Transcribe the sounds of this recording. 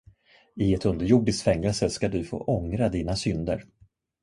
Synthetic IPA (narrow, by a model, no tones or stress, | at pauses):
ɪɛt̪ɵnd̪əɾjuːɖɪskfɛŋːɛlsəskad̪ɵfo̰ːʔɔŋɾad̪iːnasʏnd̪ə̰ɾ